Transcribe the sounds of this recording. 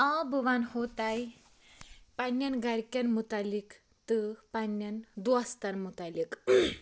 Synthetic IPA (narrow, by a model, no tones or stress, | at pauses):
ãbuʋanhot̪aj | panːɐnɡɐɾkʲɐnmut̪alik | t̪ɨpanːɐnd̪uast̪anmut̪alike